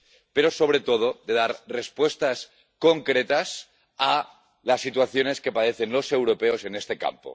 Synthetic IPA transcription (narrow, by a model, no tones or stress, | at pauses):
pe̞ɾo̞so̞βɾet̪o̞ð̞oðe̞ðaɾre̞spwe̞st̪as | ko̞ŋkɾet̪as | a | lasːit̪waθjo̞ne̞ske̞paðe̞θenlo̞se̞wɾopeo̞se̞nest̪e̞ka̰mpo̰